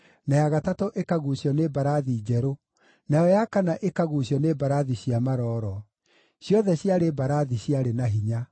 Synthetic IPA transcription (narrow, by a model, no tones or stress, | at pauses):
najaɣatatoʔekaɣuɕjɔnebaɾaðid͡ʑɛɾo | najɔjakanaʔekaɣuɕjɔnebaɾaðiɕiamaɾɔːɾɔ | ɕjɔðɛɕjaɾebaɾaðiɕjaɾenaɦiɲa